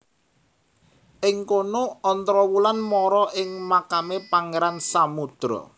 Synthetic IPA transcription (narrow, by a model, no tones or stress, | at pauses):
ʔɪŋkonoɔnt̪ɾɔwulanmɔɾɔʔɪŋmakamepaŋeɾansamud̪̥ɾɔ̰